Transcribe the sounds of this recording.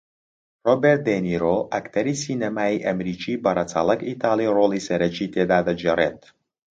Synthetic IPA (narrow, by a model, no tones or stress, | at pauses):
rɔbɛrt̪̚d̪enʲiɾoʔakt̪ɛɾisinɛmajʔamɾit͡ʃibaɾat̪t͡salˠəkit̪aliɾolisɛɾɛt͡ʃit̪ʲed̪ad̪ad͡ʒɛɾɛnt̪